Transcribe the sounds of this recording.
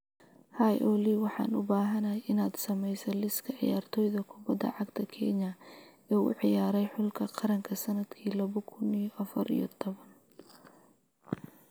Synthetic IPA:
hɐjʔɔliwɑħɑ̰ːnʊ̰baːɦɐnɐʔɪnaːd̪sɐmɛjsɐlɪskʰɐʕɪ̰jaːrt̪ʰɔːjðɐkʰʊbɐd̪ːɐ̰ʕɑɡt̪ʰɐkʰɛnɐ | ɛːʊ̰ʕɪjaːɾɛjħʊlkʰɐqɑɾɐŋkʰɐsɐnɐd̪kʰiːlɐβɔkʰʊnijʔɐfɐ̰ɾḭjɔ̰t̪ʰɔβɐn

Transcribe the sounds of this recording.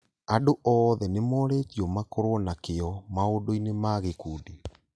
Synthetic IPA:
adoʔɔðɛnemɔɾeːtiɔmakoɾwɔnakeɔmaodoinemaɣekuːdi

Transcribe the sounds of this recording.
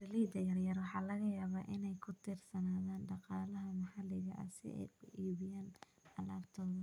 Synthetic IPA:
rɪliːd̪ɐjɐrjɐrwɑħɑːlɐɣɐjaːβaːʔɪnɛjkʰʊt̪ʰɪrsɐnaːðaːnɖɑqɑːlɐɦɐmɑħɑlɪɣɐʔɐ̰sɪ̰ɛ̰ʊʔiːβɪjaːn | ɐlaːbt̪ʰɔːðɐ

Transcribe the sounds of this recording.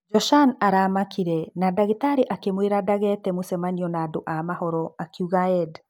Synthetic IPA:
d͡ʒɔʃanaɾamakiɾɛnadaɣitaɾiʔakemweɾadaɣɛtɛmosɛmaɲiɔnaːdoʔamahɔɾɔakuɣaɛd

